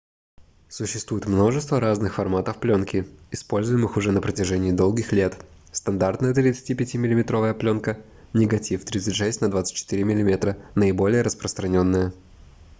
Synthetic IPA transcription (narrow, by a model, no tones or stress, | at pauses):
sʊɕːɪst̪vujɪt̪mno̞ʐɨst̪vəɾaznɨxfɐrmat̪əfplʲonkʲɪɪspo̞lʲzʊjɪmɨxʊʐɛnəpɾətʲɪʐɛnʲɪːd̪o̞lˠɡʲɪxlʲe̞t̪ | st̪ɐnd̪art̪nəjət̪ɾʲɪt̪sɨ̥tʲipʲɪtʲimʲɪlʲɪmʲɪt̪ɾo̞vəjəplʲo̞nkə | nʲɪɡɐtʲift̪ɾʲit̪sɨtʲʂɛsʲtʲnɐd̪vat̪sɨt̚ʲt͡ɕːɪ̥t̪ɨɾʲɪmʲɪlʲɪmʲet̪ɾənəɪbo̞lʲɪjəɾəspɾəst̪ɾɐnʲo̞nːəjə